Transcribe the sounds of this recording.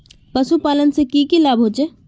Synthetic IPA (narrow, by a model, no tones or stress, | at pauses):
pəsupaːlənsekiːkilaːbɦoːt͡ʃeː